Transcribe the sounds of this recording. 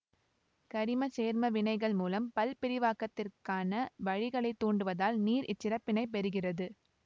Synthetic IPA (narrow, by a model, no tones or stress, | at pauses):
kɐɾɪmɐseːɾmɐʋɪɳɐɪɣɐɭmuːlɐmpɐlpɪɾɪʋaːkɐt̪ːɪrkaːnɐʋɐɻɪɣɐɭɐɪt̪ːoːɳɖɯʋɐðaːlniːɾɪt͡ʃːɪɾɐpːɪnɐɪpɛɾɯɣɪrɐðɯ